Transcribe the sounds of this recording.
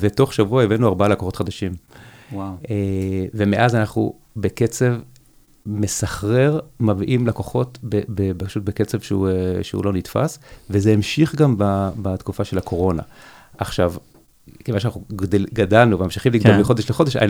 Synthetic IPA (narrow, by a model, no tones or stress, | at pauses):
veto̞χʃavuaevenuaʁbalakoχot̪χad̪aʃimwaeve̞meʔazanaχnṵ | be̞ket͡se̞v | mesaχʁe̞ʁmavʔimlakoχo̞tbebebaʃut̚beket͡se̞vʃeṵʃḛṵlo̞nitfa̰svezeːmʃiχɡambabat̪kufaʃelakʰo̞ʁo̞na̰ | ʔaχʃav | kemaʁʃeanaχnudɡadalnuvemamʃiχimliɡdalmiχo̞deʃleχo̞d̪e̞ʃa̰jn